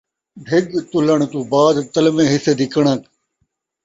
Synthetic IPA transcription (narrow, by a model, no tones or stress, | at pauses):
ɖʱɪɡt̪ʊləɳ̃t̪uːbaːd̪t̪ɐlmẽːɦɪseːd̪ʱɪkəɳɐk